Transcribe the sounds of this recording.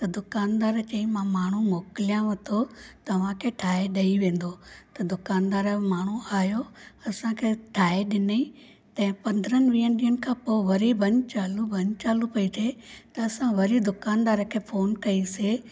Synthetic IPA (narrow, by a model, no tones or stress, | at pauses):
t̪ɐd̪ʊkaːnd̪aːɾt͡ɕɐ̃ĩmãmaːɳ̤umoːkɪlijãʋɐt̪ʰot̪ɐʋ̤ãkʰeːʈʰaːeɗɐiʋẽːn̆d̪ot̪ɐd̪ʊkaːnd̪aːɾmaːɳ̤uaːɦjoɐsãkʰeːʈʰaːeɗɪni | t̪ɐ̃ɦɪ̃pɐ̃nd̪ɾənɪ̆ʋĩːənɗiːənɪ̆kʰãːpoʋɐɾibɐ̃ɲt͡ɕaːlubɐɲt͡ɕaːlupɐit̪ʰet̪ɐːsãʋɐɾid̪ʊkaːnd̪aːɾkʰeːfoːnkɐise